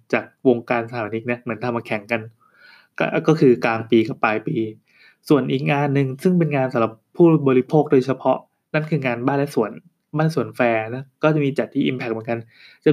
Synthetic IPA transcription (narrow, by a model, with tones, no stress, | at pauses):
t͡ɕaː˨˩k̚wo˧ŋkaː˧nsa˧a˨˩a˧ni˦˥k̪̚ni˦˥ɐmɯ˩˦nt̪ʰa˧mːaː˧˩kʰɛ˨˩˦ŋka˧n | ka̰˧kɔː˥˩kʰɯː˧klaː˧ŋpiː˧ka˨˩pːaː˧jpiː˧ | su˨˩ənʔiː˨˩k̚ŋaː˧nːɯ˨˧ŋsɯ˥˩ŋp̬e˧nŋaː˧nsa˨˦mla˨˩pʰːuː˥˩bɔː˧ɾi˦˥pʰoː˥˩k̚doː˧jt͡ɕʰa˧pʰɔ˦˥ʔ | na˥˩nkʰɯː˧ŋaː˧nbaː˥˩lɛ˦˥su˨˩˦ən | baː˥˩lsu˨˩˦ənfɛː˧na˦˥kɔː˥˩t͡ɕa˨˩miː˧t͡ɕa˨˩t̪ʰːiː˥ʔi˧mpʰɛ˧˩k̚mɯ˩˦ka˧n | t͡ɕa˨˩